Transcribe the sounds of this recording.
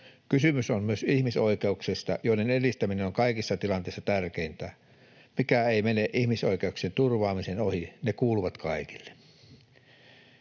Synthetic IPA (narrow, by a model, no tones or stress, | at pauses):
kysymysommyøsihmisoikeuksest̪ɑ̰joˑinenelist̪æminenoŋkɑikisːɑt̪ilɑnt̪ˑeˑisːɑt̪ærkeint̪æ̰ | mikæeimeneʔihmisoikeuksent̪urʋɑːmisenohinekuːluʋɑt̪kʰɑiki̥lːe̥